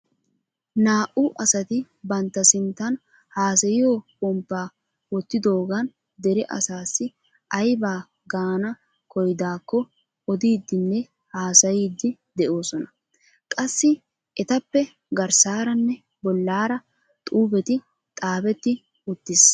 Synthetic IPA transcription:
naːʔʊʔɐsɐt̪ɪ | bɐnt̪ːɐsɪnt̪ːɐn | haːsɐjɪjoːbɔmpːaː | wɔt̪ːɪd̪o̞ːɡɐn | d̪ɛɾɪʔɐ̰saːsːɪ | ʔɐjbaː | ɡaːnɐ | kɔjd̪aːkːɔ | ɔd̪iːd̪ːɪnːɛ | haːsɐjiːd̪ːɪd̪ɛʔo̞ːsɔnɐ | kʼɐsːɪ | ɛt̪ɐpːɛ | ɡɐɾsaːɾɐnːɛ | bɔlːaːɾɐ | t̪ʼuːbɛt̪ɪ | t̪ʼaːbɛt̪ːɪ | ʊt̪ːɪs

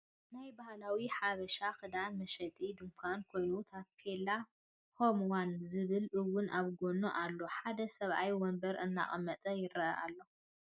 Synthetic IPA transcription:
najbahlawiħaβɐʃakʰɨd̪anmɐʃɐt̪ʼid̪ɨmkʰʷankʰo̞jnut̪ʰapʰela | homwanzɨβɨlʔɨwːʊnʔaβɡo̞noʔalːo̞ħad̪ɐsɐβʔajwɔnbɐɾʔɨnːa̰χʼɐmːɐt̪ʼɐjɪɾɐʔɐʔa̰lːo̞

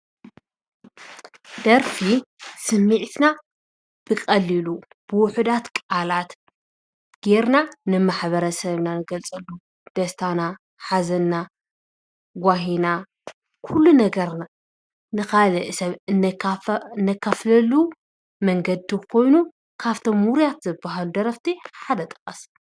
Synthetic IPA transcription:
d̪̥ɐɾfisɨmːɨʕt̪ʰna | b̥ɨkʼɐlːilu | b̥ɨwʊħud̪at̪kʼalat̪ | ɡ̥eɾnanɨmaħβɐɾɐsɐβnanɨɡɐlt͡sʼɐlːu | d̪̥ɐst̪ʰana | ħazɐnːa | ɡʷaɦina | kʰulːunɐɡɐɾna | nɨxalɐʔɨsɐβɨn | nːɐkʰːɐflɐlu | mɐŋɡɐd̪ikʰo̞jnu | kʰaβt̪ʰo̞mhuɾjat̪zɨbːaɦalud̪ɐɾɐft̪ʰiħad̪ɐt̪ʼɨ̥kʼːɐs

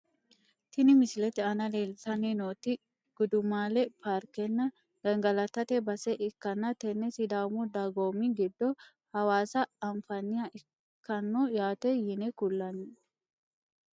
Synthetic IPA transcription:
t̪ɪnɪmɪsɪlɛt̪ɛɐnɐleːlt̪ɐninoːt̪ɪ | ɡ̥ʊd̪ʊmaːlɛpʰaːɾkɛnːɐ | ɡ̥ɐŋɡɐlɐt̪ːɐt̪ɛbɐsɛʔɪkːɐnːɐt̪ɛnːɛsɪd̪aːmʊd̪aɡoːmiɡɪd̪ːɔ | hɐwaːsɐːɱfɐnɪjɐʔɪ | kːɐnːɔjaːt̪ɛjɪnɛkʊlːɐni

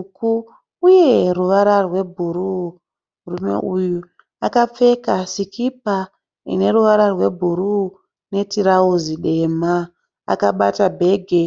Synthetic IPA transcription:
ku | uje̞ruʋaɾarwe̞bʱuɾu | murume̞̰ʔuju | akap͡fe̞kasikip̚a | ḭne̞ɾuʋaɾarwe̞bʱuɾu | ne̞tiɾauziɗe̞ma | a̰kaɓa̰tabʱe̞ɡʱe̞

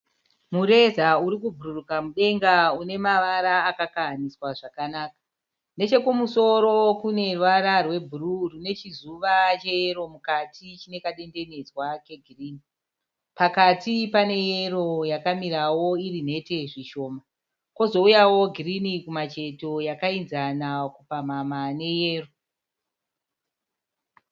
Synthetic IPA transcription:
mure̞zauɾikubʱururukamuɗe̞ŋɡaune̞maʋaɾaːkakaɦaniswaʐakanaːkḁ | nde̞t͡ʃe̞kumuso̞ɾo̞kune̞rwaɾarwe̞bʱururune̞t͡ʃizuʋat͡ʃe̞jeɾo̞mukatit͡ʃine̞kaɗe̞nde̞ne̞d͡zwake̞ɡʱiriːni | pakatipane̞je̞ro̞jakamiɾawo̞irin̤e̞te̞ʐiʃo̞ːma | ko̞zo̞ujawo̞ɡʱirinikumat͡ʃe̞to̞jakainzanakupamamane̞je̞ːro̞

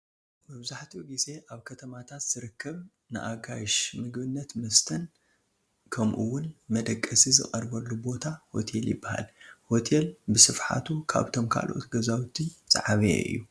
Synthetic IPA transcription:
mɨβzaħt̪ʰiɡize̞ʔaβkʰɐt̪ʰɐmat̪ʰat̪z̥ɨɾɨkːɐβ | nɨ̰ʔaɡajʃmɨɡbɨnːɐt̪mɐst̪ʰɐn | kʰɐmʔuwʊnmɐd̪ɐkʼːɐsizɨ̰χʼɐɾbɐlːubo̞t̪ʰaho̞̰t̪ʰeljɪ̰bːaha̰lho̞t̪ʰelbɨsɨfħa̰t̪ʰukʰa̰βt̪ʰo̞mkʰa̰lo̞̰t̪ɡɐzawt̪ʰizʼa̰ʕaβḛʔɨ̰jːu

